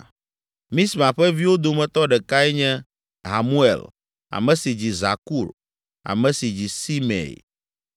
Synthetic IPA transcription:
mĩ˦smã˨ɸɛ˦vi˦wo˦d̪o˨mɛ̃˨t̪ɔ˦ɖɛ˨ka˦ɛ˦ɲɛ̃˦ | ɦa˨mu˦ḛ˨l | a̰˨mɛ̃˨si˨d͡ʑi˨za̰˨ku˦˨l | a̰˨mɛ̃˨si˨d͡ʑi˨si˦mḛ̃˨

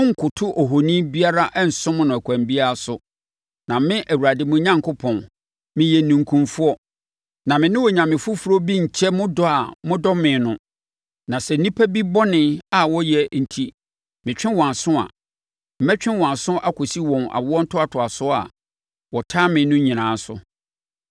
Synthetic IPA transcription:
ʊ̃˦ŋ̩˨kʰʊ˨tʰʊ˦ʔɔ˨ɦo˨nĩ˦bi˦a˦ɾa˦ʔɛ˦n̩˨sʊ̃˦m˦nʊ̃˨æ˨kʷʰã˨mbi˦a˦a˨sʊ˨ | nã˨mɪ̃˦ʔæ˨wu˨ɾa˨dɪ˨mʊ̃˦ɲã˦ŋkʰo˦pʰɔ̃˨n | mɪ̃˨jɛ˨nũ˨ŋkʰũ˨mfu˦ɔ˦ | nã˨mɪ̃˨nɪ̃˦wɔ˨ɲã˨mɪ̃˨fʊ˦fu˨ɾo˦bi˦ɲ̩˨t͡ɕʰɛ˦mʊ̃˦dɔ˦a˨mʊ̃˦dɔ˦mɪ̃˨nʊ̃˨ | nã˨sɛ˨n̩˦nĩ˦pʰæ˦bi˦bɔ˦nɪ̃˦a˨wɔ˦jɛ˨n̩˨tʰi˦ | mɪ̃˨t͡ɕᶣɪ̃˦wɔ̃˨a˨sʊ̃˦a̰˨ | m̩˨mɛ˦t͡ɕᶣɪ̃˦nwɔ̃˨a˨sʊ̃˦ʔa˨kʰɔ˨si˦wɔ̃˨na̰˨wɔ˦n̩˦tʰʊ˦a˨tʰʊ˨a˨sʊ˦a̰˨ | wɔ˨tʰaː˦mɪ̃˨˦nʊ̃˦ɲĩ˨nãː˨˦sʊ˨

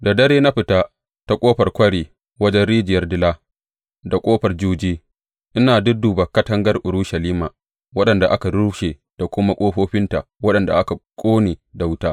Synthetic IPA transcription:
da˨dɐ˦ɾeː˦na˦ɸɪ˨taː˦ | ta˦kʷʼoː˦ɸɐ˨rkʷɐ˦ɽiː˨ | wɐ˦d͡ʒɛ˦nɽiː˦d͡ʒɪ˨jɐ˦rdɪ˦laː˦ | da˨kʷʼoː˦ɸɐ˨rd͡ʒuː˦d͡ʒiː˦ | ʔɪ˦naː˨dʊ˦duː˨bɐ˨kɐ˦tɐ˦ŋɡɐ˦rʔʊ˨ɾu˦ʃɐ˨liː˦maː˨ | wɐ˦ɗɐ˨nda˨ʔa˦ka˨ɽu˦ʃeː˨ | d̥a˨kʷʊ˦ma˦kʷʼoː˦ɸoː˦ɸɪ˦nta˨ | wɐ˦ɗɐ˨nda̰˨ʔa˦ka˨kʷʼoː˦neː˨da˨wʊ˦taː˦

